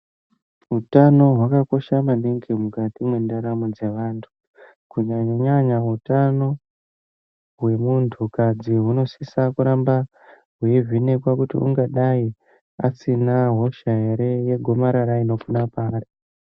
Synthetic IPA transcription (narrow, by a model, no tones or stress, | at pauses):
ɦutano̞ɦwakako̞ʃamaniŋɡimukatimwe̞ndaɾamod͡ze̞ʋaːntʰu̥ | kuɲaɲoɲaɲaɦutano̞ | ɦwe̞muntʰukad͡ziɦuno̞sisakuɾamba | ɦujevine̞kwakutḭʔṵŋɡaɗai | asinaɦo̞ʃaɦe̞ɾe̞je̞ɡʱo̞maɾaɾaino̞kunapaːɾi